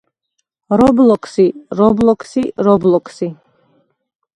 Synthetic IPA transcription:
ɾɔblɔkʰsiɾɔblɔkʰsiɾɔblɔkʰsi

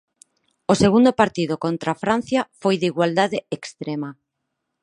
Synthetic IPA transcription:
oseɣund̪opaɾt̪iðʊkont̪ɾafɾan̟θjɐfojðiɣwald̪aðeekst̪ɾema

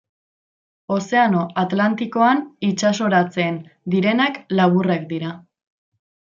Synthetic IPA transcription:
o̞se̞ano̞at̪lant̪iko̞anit͡ʃaso̞ɾat͡se̞ːnd̪iɾe̞naklaβurekd̪iɾa

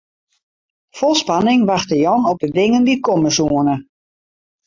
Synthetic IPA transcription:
fɔlˠspanɪŋʋaxtəjɔnɔp̚dədɪŋəndikɔməsuənə

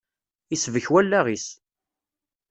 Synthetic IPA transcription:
isvəçwælːæʁis

